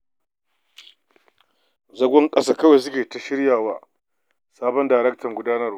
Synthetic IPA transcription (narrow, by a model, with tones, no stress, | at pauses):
zɐ˦ɡʷɔ˦ŋkʼɐ˦saː˦kɐ˦wa˨s̬ʊ˦kʲeː˨ta˦ʃɪ˦ɾjaː˨waː˦ | saː˦bɔ˦ndaː˨ɾɛ˦k̚tɐ˨ŋɡʷʊ˦daː˦nɐ˦r